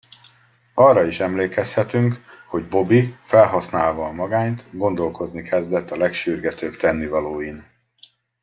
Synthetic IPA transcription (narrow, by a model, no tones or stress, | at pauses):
ɒrːɒiʃɛmleːkɛshɛt̪yŋkho̞ɟbo̞bifɛlɦɒsnaːlvɒːmɒɡaːnt̪ɡo̞n̪d̪o̞lko̞znikʰɛzd̪ɛt̪ːɒlɛkʃyrɡɛt̪øbt̪ɛnːivɒloːjin